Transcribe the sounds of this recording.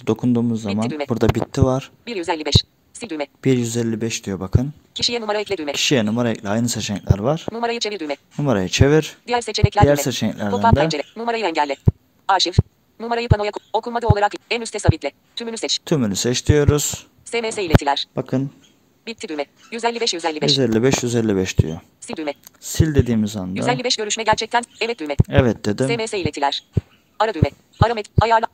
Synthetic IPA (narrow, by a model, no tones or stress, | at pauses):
d̪o̞kʰund̪uːmuzːamand̪ymɛbuɾd̪abit̪ʰːivaɾ̥biɾjyzɛlʲːibɛʃ | sid̪ymɛb̥iɾjyzɛlʲːibɛʃd̪ijobakʰɯn | cʰiʃijɛnumaɾaɛclʲed̪ymɛcʰi̥ʃijɛnumaɾaɛ̰clʲɛajnɯset͡ʃʰɛclʲæ̰ɾvaɾ̥numaɾajɯt͡ʃʰeviɾd̪ymɛnumaɾajat͡ʃʰe̞viɾ̥d̪ijæɾset͡ʃʰeɛclʲæjæɾɛset͡ʃɛɛclʲæɾduæfad̪ɛd͡ʒeɾɛnumaɾajɯɛɲɟælʲːɛ | aɾʃif | numaɾajɯpʰanojakokʰulˠmad̪ɯoaɾakɛnyst̪ʰɛsabit̪lʲɛ | t̪ʰymynysɛt͡ʃt̪ʰymynysɛt͡ʃt̪ʰijo̞ɾuz̥ | semeseilʲet̪ʰilʲæɾ̥b̥akʰɯn | bit̪ʰːid̪ymɛ | jyzɛlʲːibɛʃjyzɛlʲːibɛʃzɛlʲːibɛʃjyzɛlʲːibɛʃd̪y̰jo̰ | sild̪ymɛsilʲd̪ed̪iːmizand̪jyzɛlʲːibɛʃɟø̞ɾyʃmɛɟæɾt͡ʃʰɛc̚t̪ʰænevɛt̪̚d̪ymɛɛvɛt̪̚d̪̥ed̪isemeseilʲet̪ʰilʲæɾ̥ | aɾad̪ymɛ | aɾamɛajaɾlˠ